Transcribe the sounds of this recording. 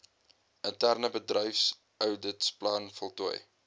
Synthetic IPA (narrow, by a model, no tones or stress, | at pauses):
ʔəntærnəbədrəjfs | œwdətsplɐnfɔlˠtṵj